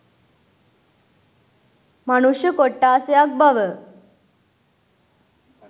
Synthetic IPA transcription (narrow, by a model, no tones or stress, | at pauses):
manuɕjəkoʈːaːseɐk̚bɐʋə